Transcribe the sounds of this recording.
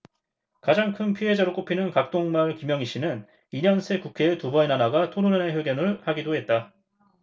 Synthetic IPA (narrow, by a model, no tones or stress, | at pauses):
kad͡ʑaŋkʰɯnpʰiɦe̞d͡ʑaɾok͈opʰinɯnkak̚t͈oŋmaɭkimjʌŋiɕ͈ʰinɯn | iɲʌnsʰe̞kukʰe̞ːtubʌinanaɡatʰonunaneɦjʌɡjʌnɯɭhaɡidoɦe̞t̚t͈a